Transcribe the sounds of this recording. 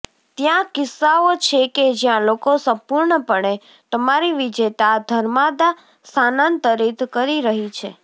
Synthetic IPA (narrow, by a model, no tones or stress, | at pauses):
t̪jãkɪsːaot͡ʃʰeked͡ʒjãlokosə̃mpuɾɳəpəɳe | t̪əmaɾiʋid͡ʒet̪ad̪ʱəɾmad̪a | sanant̪əɾit̪kəɾiɾəɦit͡ʃʰḛ